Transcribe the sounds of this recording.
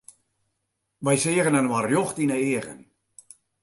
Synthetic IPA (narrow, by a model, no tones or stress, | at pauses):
ʋɛjsɪəɣənənwarjɔxtinəeːəɣə̰n